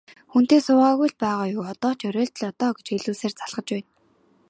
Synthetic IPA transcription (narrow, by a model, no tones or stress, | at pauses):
xun̥t̪eːsʊːʁaːɣujɮpæːʁaːjʊːɔt̪ɔːt͡ɕœɾeːɮt̪ə̆ɮɔt̪ɔːɡet͡ɕxeɮuːseːrt͡saɮʁə̆t͡ɕpæːn